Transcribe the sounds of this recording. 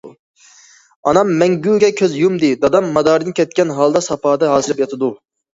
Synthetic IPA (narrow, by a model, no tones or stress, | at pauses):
ɑnɑmːɛŋɡʲyːɡʲɛkʲʰøzjumd̪ɪd̪ɑd̪ɑmːɑd̪ɑːɾd̪ɨnkʲʰɛt̪̚kʲɛnɦɑlˠd̪ɑsɑpʰɑːd̪ɑɦɑːzɨlɪpjɑt̪ʰɨd̪u